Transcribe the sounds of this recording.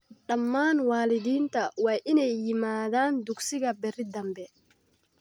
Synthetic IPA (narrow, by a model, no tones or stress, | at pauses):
ɗɐmːaːnwaːlɪðiːnt̪ʰɐwaːʔɪnɛjːɪmaːðaːnd̪ʊɡsɪɣɐbɛrɪd̪ɐmbɛ